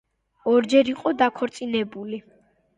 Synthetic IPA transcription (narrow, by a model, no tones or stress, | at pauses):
ɔɾd͡ʒɛɾiqʼɔd̪akʰɔɾt̪sʼinɛbuli